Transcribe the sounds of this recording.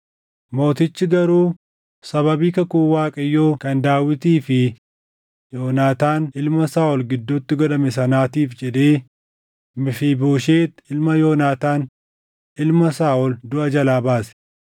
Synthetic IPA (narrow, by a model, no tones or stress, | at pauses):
mo̞ːt̪ɪt͡ʃːɪɡɐɾuː | sɐβɐbiːkɐkuːwaːkʼɐjːoːkɐnd̪aːwɪt̪iːfɪ | joːnaːt̪aːnɪlmɐsaːʔɔlɡɪd̪ːʊt̪ːɪɡɔᶑɐmɛsɐnaːt̪iːfd͡ʒɛᶑ̪eː | mɪfiːboːʃeːt̪ɪlmɐjo̞ːnaːt̪aːn | ɪlmɐsaːʔɔld̪ʊʔɐd͡ʒɐlaːbaːsɛ̥